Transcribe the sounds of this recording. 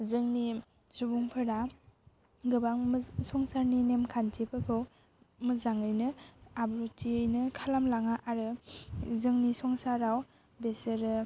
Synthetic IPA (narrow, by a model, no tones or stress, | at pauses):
zɯŋni | subuŋpʰɯɾa | ɡɯbaŋmsɔŋsaɾninemkʰantipʰɯkʰɯw | mɯzaŋɯjnɯabɾutʰiɯjnɯkʰalamlaŋaʔaɾɯ | zɯŋnisɔŋsaɾaw | besɯɾɯ